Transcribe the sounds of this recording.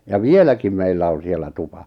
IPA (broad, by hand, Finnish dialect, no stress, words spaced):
jɑ ʋielækim meilːæ on̞ sielˑæ tupɑ